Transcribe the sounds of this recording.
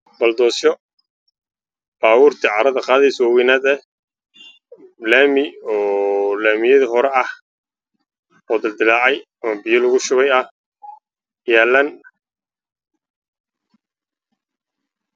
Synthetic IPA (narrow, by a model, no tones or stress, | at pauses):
bɐld̪ɔːsɔ | b̥aːwʊːrt̪ʰɪʕɑɾɐðɐqɑːðɛjswawɛnaːd̪ɛ | laːmɪɔːlaːmɪjɐðɐɦɔɾɛɐh | ɔːd̪ɪld̪ɪlaːʕɛj | ɐmɐbɪjɔlɐɣʊʃʊβɛjɐh | jaːlːɐn